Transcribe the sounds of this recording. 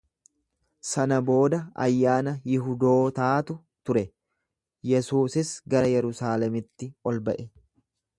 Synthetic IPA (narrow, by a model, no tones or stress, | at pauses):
sɐnɐbo̞ːd̪ɐɐ̰jːaːnɐjɪɦʊd̪o̞ːt̪aːt̪ʊ | t̪ʊɾɛ | jɛsuːsɪsɡɐɾɐjɛɾʊsaːlɛmɪt̪ːɪɔlbɐʔɛ